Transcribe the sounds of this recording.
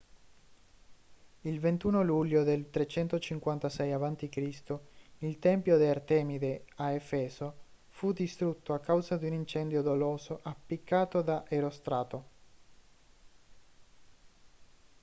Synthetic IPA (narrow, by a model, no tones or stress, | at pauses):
ilvent̪uːnoluʎːod̪elt̪ɾet͡ʃɛnt̪ot͡ʃiŋkwant̪asɛjavant̪ikɾist̪oilt̪ɛmpjod̪eart̪ɛːmid̪eaefɛːso | fud̪ist̪ɾut̪ːoakːawzad̪iunint͡ʃɛnd̪jod̪oloːzoʔapːikʰːaːt̪od̪aʔeɾost̪ɾaːt̪o